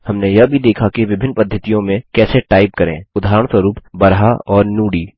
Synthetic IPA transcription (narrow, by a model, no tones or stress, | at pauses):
hɐmnejɐbʱid̪eːkʰakiʋɪbʱɪnːpɐd̪ʱjət̪ijõmẽkɛːseʈaːɪp̚kɐɾḛ̃ːʊd̪ʱaːɾəɽ̃swɐɾuːpbɐɾɦaɔːɾnuːɽiː